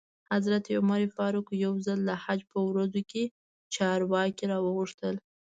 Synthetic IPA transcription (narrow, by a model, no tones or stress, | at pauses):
hazɾat̪eʊmaɾifɑɾukjawzalːahad͡ʒpəwɾazoke | t͡ʃɑɾwɑkiɾɑwəɣuʂt̪əl